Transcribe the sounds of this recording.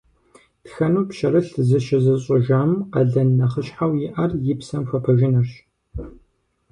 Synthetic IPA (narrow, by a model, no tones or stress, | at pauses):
txɐnuːpʃɐrɨɬzɨʃɪzɐɕʼʊʒaːmqɐɮɐnːɐχəɕħawjɪʔɐrjɪpsɐmxʷɐpʰɐʒɪnɐrɕ